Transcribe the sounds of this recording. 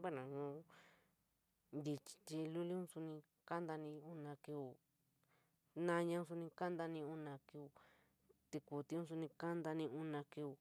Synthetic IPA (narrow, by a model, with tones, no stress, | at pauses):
ba˦nã˨ɲũ˧ | nd̪i˧t͡ʃi̥˧˨t̪i˧lu˦li˦ũ˦su˧nĩ˧ | ka˦nd̪a˧nĩ˧u˧nã˧ki˧u˨ | nã˦˧ɲã˧ũ˧˦s̬u˧nĩ˧ka˦nd̪a˧nĩ˧u˧nã˧ki˧u˧ | t̪i˧ku˨t̪i˧˦ũ˦s̬u˧nĩ˧ka˦nd̪a˧nĩ˧u˧nã˧ki˧u˧